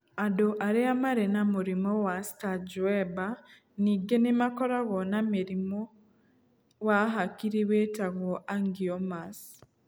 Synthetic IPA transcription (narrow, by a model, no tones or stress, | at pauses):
adoʔaɾeamaɾenamuɾimowastad͡ʒuweba | niɡenemakoɾaɣɔnamiɾimo | ɣaɦakiɾiwetaɣoʔaŋɡiomas